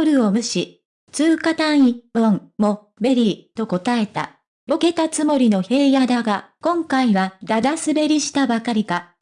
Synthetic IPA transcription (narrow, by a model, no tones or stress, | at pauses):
oɾɯ̟o̞mɯ̟ɕi | t͡sɨːkat̪ãɰ̃ĩbõŋmo̞ | be̞ɾʲiːt̪o̞ko̞t̪ae̞t̪a̰ | oke̞t̪at͡sɨmo̞ɾʲino̞he̞ːjad̪aɡakõ̞ŋkaiβad̪ad̪asɨbe̞ɾʲiɕi̥t̪abakaɾʲika